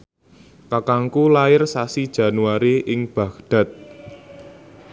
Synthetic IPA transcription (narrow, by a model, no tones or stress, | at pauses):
kakaŋkulaɪrsasid̥ʒ̥ä̤nuaɾeʔɪŋb̥ä̤kɖ̪̥a̤t̪̚